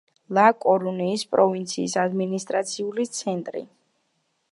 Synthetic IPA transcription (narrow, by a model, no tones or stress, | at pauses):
lˠakʼɔɾuniːspʼɾɔvint̪sʰiːsad̪minist̪ʼɾat̪sʰiulit̪sʰɛnt̪ʼɾḭ